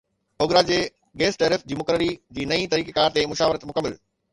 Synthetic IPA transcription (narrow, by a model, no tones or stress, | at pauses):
oːɡɾad͡ʑeː | ɡeːsʈəɾɪfd͡ʑiːmʊkəɾəɾid͡ʑiːnɐĩt̪ɐɾiːkekaːɾt̪emʊʃaːʋɪɾət̪mʊkəmːəl